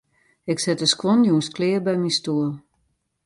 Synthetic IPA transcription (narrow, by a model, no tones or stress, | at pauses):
ɪksɪtəskʋɔnjuənsklɪːrbɛjmistuəlˠ